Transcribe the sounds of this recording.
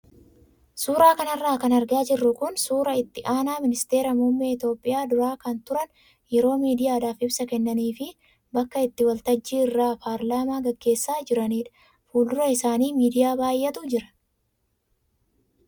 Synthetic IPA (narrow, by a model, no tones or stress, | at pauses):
suːɾaːkɐnɐrːaːkɐnɐɾɡaːd͡ʒɪrːʊkʊnsuːɾɐɪt̪ːɪʔaːnaːmɪnɪst̪e̞ːɾɐmʊmːeːɪt̪jo̞ːpʼːɪjaːd̪ʊɾaːkɐnt̪ʊɾɐn | jɛɾo̞ːmiːd̪ɪjaːd̪aːfɪbsɐkɛnːɐniːfɪ | bɐkːɐɪt̪ːɪwɐlt̪ɐd͡ʒːiːɪrːaːpʰaːɾlaːmaːɡɐɡːe̞ːsːaːd͡ʒɪɾɐniːᶑ̪ɐ̥ | fuːld̪ʊɾɐɪsaːniːmiːd̪ɪjaːbaːjːɛt̪ʊd͡ʒɪɾɐ̥